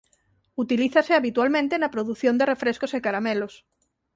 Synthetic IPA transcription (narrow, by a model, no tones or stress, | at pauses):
ut̪iliθaseaβit̪walmẽnt̪enɐpɾoðuθjõnd̪erefɾeskosekaɾamelos